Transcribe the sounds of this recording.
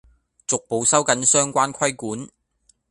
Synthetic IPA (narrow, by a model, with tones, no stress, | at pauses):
t͡sʊ˨k̚po˨wsɐ˥wkɐ˨˥nsœː˥ŋkʷaː˥nkʰɐ˥jkuː˨˥n